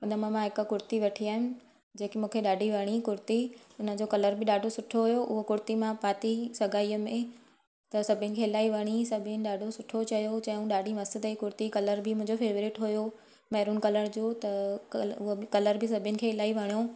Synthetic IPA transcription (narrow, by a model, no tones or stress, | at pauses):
ʊnəmãmãɦɪkkʊɾt̪iʋɐʈʰiaːɦɪn | d͡ʑeːkimũːkʰeɗaːɖʱiʋɐɽ̃ikʊɾt̪iʊnə̆d͡ʑokɐləɾbɪɗaːɖʱosʊʈʰoɦʊjoʔʊɦokʊɾt̪imãpaːt̪isɐɡʱaːiəmẽ | t̪ɐsɐbʱənɪ̆kʰeːɪlaːiʋɐɽ̃isɐbʱnɪ̆ɗaːɖʱosʊʈʰot͡ɕɐjot͡ɕɐjũɗaːɖʱimɐsɪd̪əikʊɾt̪ikɐləɾbɪmʊ̃ɦɪ̃ɲd͡ʑofeːʋɾɪʈɦʊjo | mɐːɾuːnkɐləɾd͡ʑoːt̪ɐʊɦobɪkɐləɾbɪsɐbʱjənɪ̆kʰeːɪlaːiʋɐɽ̃ijo